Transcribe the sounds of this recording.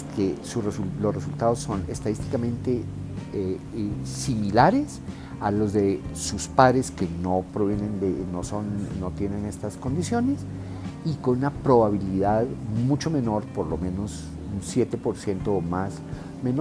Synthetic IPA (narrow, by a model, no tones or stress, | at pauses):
kʰesuresulosresult̪aðosːo̞ne̞̰st̪aðist̪i̥kamẽ̞nt̪e̞esimilaɾe̞s | alo̞zðe̞suspaðɾe̞skeno̞pɾoβje̞ne̞nd̪eno̞so̞nːo̞t̪je̞ne̞ne̞st̪asko̞nd̪isjo̞ne̞s | ikonunapɾo̞βaβiliðaðmut͡ʃo̞me̞no̞ɾpo̞ɾlo̞mẽ̞no̞s | unsjet̪e̞po̞ɾsje̞nt̪oːmas | me̞no